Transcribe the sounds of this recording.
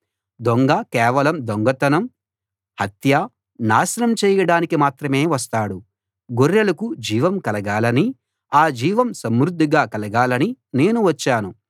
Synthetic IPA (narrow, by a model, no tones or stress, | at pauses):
d̪oŋɡɐkɛːʋɐlɐmd̪oŋɡɐt̪ɐnɐm | hɐt̪ja | naːsɐnɐmt͡ʃɛːjɐɽaːnikimaːt̪ɾɐme̞ːʋɐst̪aːɽu | ɡoɾːɐlɐkud͡ʒiːʋɐmkɐlɐɡaːlɐni | aːd͡ʒiːʋɐmsɐmɾud̪ʱːiɡaːkɐlɐɡaːlɐnine̞ːnuʋɐt͡ʃːaːnu